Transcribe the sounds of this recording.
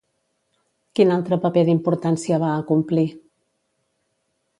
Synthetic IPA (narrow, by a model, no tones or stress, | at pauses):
kinalˠt̪ɾəpəpeðimpuɾt̪ansiəβ̞aəkumpli